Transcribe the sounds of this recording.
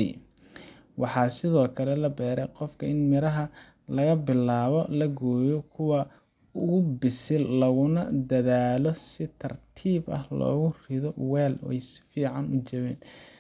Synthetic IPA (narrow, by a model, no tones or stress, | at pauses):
wʔɑħɑːsɪðɔːkʰɐlɛlɐbɛːɾɛjqɔfkʰɐɪnmɪɾɐɦɐ | lɐɣɐbɪlaːβɔlɐɡɔːjɔkʰʊwɐ | ʊɣʊbɪsɪlɐɣʊnɐd̪ɐðaːlɔsɪt̪ʰɐrt̪ʰiːbɐ̰hlɔ̰ːɣʊrɪðɔwɛːlɔ̰ːɛjsɪ̥fiːʕɑnʊt͡ʃɐβɛːn